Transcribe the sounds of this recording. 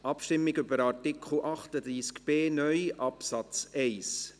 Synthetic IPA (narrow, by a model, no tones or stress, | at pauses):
ʔɑpʃtɪmːɪɡʏbəɾɑɾtɪkχl̩ʔɑχt̪əd̪ɾiːskb̥eːnœʏʔɑpsɑt͡sɛɪs